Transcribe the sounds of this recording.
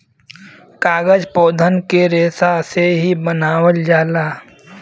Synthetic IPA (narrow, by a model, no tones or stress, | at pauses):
kaːɡəd͡ʒpoːd̪ʱənkeɾeːsaseɦibənaːwəld͡ʒaːlaː